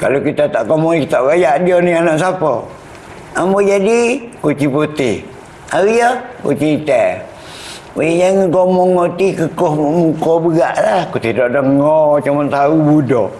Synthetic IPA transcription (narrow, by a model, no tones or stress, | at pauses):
ka̰lokit̪at̪aʔkomɔit̪aʔbajaʔdionianaʔsapɔ̰ | amod͡ʒadikot͡ʃipot̪ɪh | aijəkot͡ʃit̪ɛʔ | ajd͡ʒaŋikomɔŋot̪ikəkohmukobəɣaʔlahkot̪ehdoʔdəŋɔt͡ʃumant̪aubudo